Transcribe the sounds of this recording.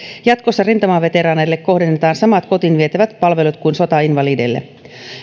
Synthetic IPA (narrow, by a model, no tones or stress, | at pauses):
jɑt̪kosːɑrint̪ɑmɑʋe̞t̪eɾɑːnejlːekko̞hdenːet̪ɑːnsɑmɑt̪ko̞t̪inʋiet̪æʋæt̪pɑlʋelut̪kuinso̞t̪ɑinʋɑliːdelːḛ